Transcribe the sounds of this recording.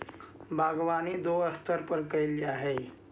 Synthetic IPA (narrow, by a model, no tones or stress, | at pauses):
bʱaɡʋaniːd̪oəst̪əɾpəɾkəliaːɦe